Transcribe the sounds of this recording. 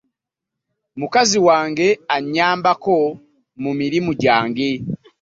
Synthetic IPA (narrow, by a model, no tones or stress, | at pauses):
mukaziwaːŋɡe̞aɲaːmbako̞ | mumiɾimuɟaːŋɡe